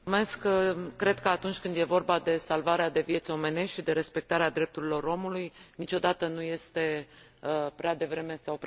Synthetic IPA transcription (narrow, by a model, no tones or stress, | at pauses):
me̞skːɾe̞d̪̚kəat̪unt͡ʃʲkɨnd̪je̞vo̞rbad̪e̞salvaɾead̪e̞vije̞t̪so̞me̞ne̞sʃid̪e̞ɾe̞spe̞k̚t̪aɾead̪ɾe̞p̚t̪uɾilo̞ɾo̞mulujnit͡ʃo̞d̪at̪ənuje̞st̪e̞ | əpɾead̪e̞vɾe̞me̞sawp